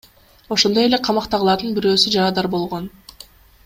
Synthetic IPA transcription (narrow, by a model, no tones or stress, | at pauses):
o̞ʃo̞nd̪o̞je̞le̞qʰɑmɑqt̪ɑʁɯlˠɑɾd̪ɯnbiɾø̞ːsyd͡ʒɑɾɑd̪ɑɾbo̞lˠʁo̞n